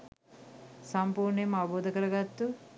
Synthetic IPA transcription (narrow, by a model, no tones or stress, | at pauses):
sɐmpuːɾnemaboːd̪ɐkɐɾɐɡat̪ːu